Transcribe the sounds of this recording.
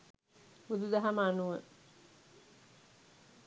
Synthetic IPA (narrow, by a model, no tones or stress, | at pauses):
ud̪ud̪ɐɦaməanuʋə